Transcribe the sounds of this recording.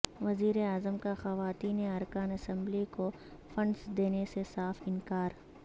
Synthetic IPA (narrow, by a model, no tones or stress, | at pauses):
ʋɐziːɾeaːzəmkaxɐʋaːt̪iːneɐɾkaːnɐsɛ̃mbliko | fɐ̃ɳɖsd̪eːnesesaːfɪ̃nkaːɾ